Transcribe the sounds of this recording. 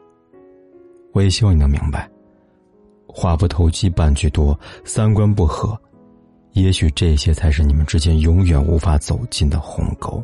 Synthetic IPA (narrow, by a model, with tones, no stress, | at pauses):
wɔ˧˥jɛ˨˩ɕi˥wni˨˩ə˧mḭ˧˥ŋba˧˩ɪ | xwa˥˩pu˥˩t̪ʰo˧˥ʊt͡ɕi˥pa˥˧nt͡ɕy˥˩t̪wɔ˥sa˥nkwa˥npu˥˩xɤ˧˩˦ | jɛ˧˥ɕy˨˩ʈ͡ʂɤ˥˩i˧˩ɕjɛ˥t͡sʰa˧˥ɪʂɻ̩˥˩ni˨˩mə˦nʈ͡ʂɻ̩˥t͡ɕjɛ˥njʊ˧˥ŋɥɛ˨˩nṵ˧˥fa˧˥t͡so˨˩ʊt͡ɕi˥˩nd̪ə˩xʊ̰˧˥ŋko˥ʊ